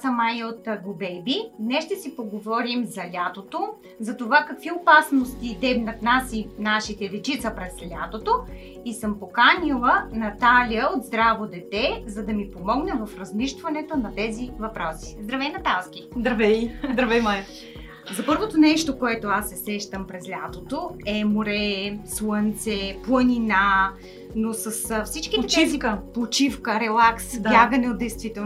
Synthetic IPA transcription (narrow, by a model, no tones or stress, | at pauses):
səmajot̪ɡobɛjbinɛʃt̪ɛsipoɡovɔɾimzɐlʲat̪ot̪o | zɐt̪ovakɐkviopasnost̪id̪ɛbnɐt̪nasinaʃit̪ɛd̪ɛt͡ʃit̪səpɾɛslʲat̪ot̪o | isəmpokanilˠənɐt̪alʲiəod̪zd̪ɾavod̪ɛt̪ɛzɐd̪ɐmipomɔɡnɛvɐfɾɐzmiʃt̪vɐnɛt̪onɐt̪ɛzivɐpɾɔsi̥zd̪ɾɐvɛjnɐt̪alˠskʲid̪ɾɐvɛjzd̪ɾɐvɛjmaj | zɐpɤɾvot̪onɛʃt̪okoɛt̪oasːɛsɛʃt̪əmpɾɛzlʲat̪ot̪oɛmoɾɛslˠənt̪sɛplˠənʲina | nosəsfsit͡ʃk̟ʲid̪t͡ʃifkpot͡ʃifkəɾɛlˠaksdb̪jaɡənɛod̪d̪ɛjst̪vit̪ɛ